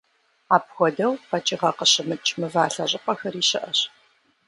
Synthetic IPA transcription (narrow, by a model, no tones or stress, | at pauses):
aːpxʷɔdɐwqɐt͡ʃʼiʁɐqəɕɪmɨt͡ʃʰʼmɨvaːɬɐʑʼɪqʷɐxɐriːɕɪʔɐɕ